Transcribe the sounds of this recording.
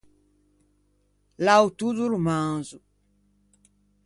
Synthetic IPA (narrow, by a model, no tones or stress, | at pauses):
laut̪uzulumazu